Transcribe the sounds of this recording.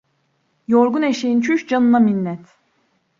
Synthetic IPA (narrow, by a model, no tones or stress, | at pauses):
joɾɡuneʃejint͡ʃʰyʃd͡ʒanɯnaminːɛt̪